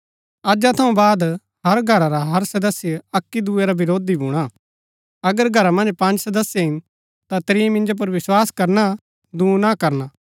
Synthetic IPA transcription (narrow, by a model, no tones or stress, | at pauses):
ɐd͡ʒat̪ʰɐũbaːd̪ | ɦɐɾɡʱɐɾaɾaɦɐɾsɐd̪əsːjɐkːid̪ueɾabɪɾoːd̪ibʱũːɽ̃a | ɐɡəɾɡʱɐɾamɐ̃nd͡ʒpɐ̃nd͡ʒsɐd̪əsjaɦɪn | t̪at̪ɾiːmɪ̃nd͡ʒop̬ɐɾʋɪswaːskɐɾna | d̪ũːnakɐɾna